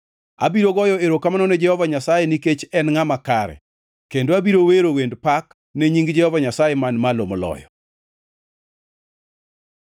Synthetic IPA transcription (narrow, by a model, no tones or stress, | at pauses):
a̰biɾoɡɔjɔeɾokamanɔnɛd͡ʒɛhɔvaɲasajɛniket͡ʃɛnŋamakaɾɛ̰ | kendoabiɾoweɾowendpak | neɲiŋɡd͡ʒɛhɔvaɲasajɛmanmalomlɔ̰jɔ̰